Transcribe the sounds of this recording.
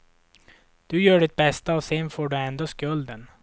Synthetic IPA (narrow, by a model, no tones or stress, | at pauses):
d̪̥ɵjœːɖɪt̪̚bɛst̪aɔsɛnfoːɖɵɛnd̪oːskɵld̪ən